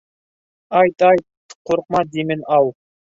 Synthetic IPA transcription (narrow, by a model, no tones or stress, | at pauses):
ɑjt̪ɑjt̪̚ | qʰoɾəq̚mɑd̪imɪnɑw